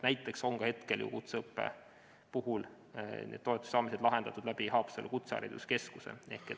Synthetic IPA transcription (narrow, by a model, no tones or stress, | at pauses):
næjt̪ːˑe̞kso̞ŋkɑhe̞t̪keljṵkut̪seɤpːe̞̰ | puɦul | nʔḛːd̪o̞et̪ːˑu̥sːɑːmised̪̥lɑɦe̞nd̪̥ɑt̪ːˑud̪̥læb̥ihɑːpselkut̪seɑ̰ɾḭd̪̥uske̞skusḛʔe̞̰hket